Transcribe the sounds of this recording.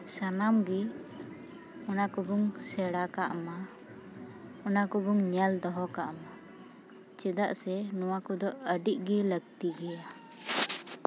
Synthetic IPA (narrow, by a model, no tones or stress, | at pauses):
sanamɡi | ɔnakɔbɔŋsɛɽakaʔma | ɔnakɔbɔŋɲɛld̪ɔɦɔkaʔma | t͡ʃɛd̪aʔsɛnɔwakɔd̪ɔʔəɖiʔ̚ɡiləɡ̚t̪iɡɛja